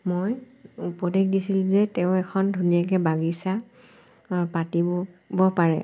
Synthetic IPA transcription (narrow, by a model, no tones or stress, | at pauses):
moj | upɔdeɡdisilʊ̃zɛtɛʊ̃ɛkʰɔndʱunijak̬ɛbaɡisa | patibɔbɔpaɹɛ̰